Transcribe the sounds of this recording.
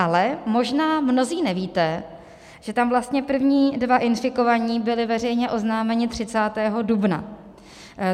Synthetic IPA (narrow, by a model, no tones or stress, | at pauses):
ʔalɛmo̞ʒnaːmno̞ziːnɛviːt̪ɛ | ʒ̥ɛt̪amvlast̪ɲɛpr̩vɲiːdvaʔɪnfɪko̞vaɲiːbɪlɪvɛrɛjɲɛʔo̞znaːmɛɲɪt̪r̝̥ɪt͡saːt̪ɛːɦo̞dubna̰